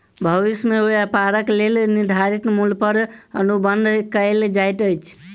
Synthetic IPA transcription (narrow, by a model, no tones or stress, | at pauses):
bʱəʋismeoəpaɾəklelniɾd̪ʱaɾik̪mulpəɾənubənd̪ʱkəɪld͡ʒajt̪əjt͡ʃʰ